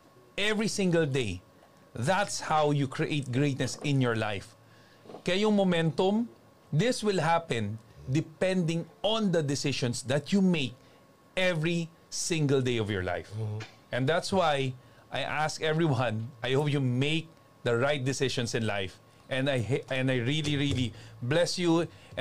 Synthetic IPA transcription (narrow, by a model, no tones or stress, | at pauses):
ʔɛvɹisɪ̃ŋɡɐld̪ej | ðat̪shawjukʰɹiʔejt̪̚ɡɹejt̪nɛsɪ̃njɔɹla̰jf | kɐjʊŋmomɛ̃nt̪ʊ̃m | d̪ɪswɪlɦapɛ̃nd̪ɪpɛ̃nd̪ɪ̃ŋɔ̃nd̪ɐd̪ɪsɪʃɔ̃nsd̪ɐt̪jumeɪk̚ | ɛvɹi | sɪ̃ŋɡəlˠd̪ejɔvjɔ̰ɹla̰jfʔɛ̃nd̪æt̪swaj | ʔajʔaskɛvɹiwɐ̃nʔajhop̚jumeɪk̚ | d̪ɐɹajt̪̚d̪ɪsɪʃɔ̃nsɪ̃nla̰jf | ʔɛ̃najɛ̃nd̪ajɹiliɹiliblɛsju